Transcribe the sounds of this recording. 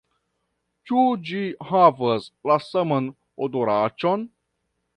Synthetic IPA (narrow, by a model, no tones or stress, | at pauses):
t͡ʃud͡ʒihavaslasaman | odoɾat͡ʃon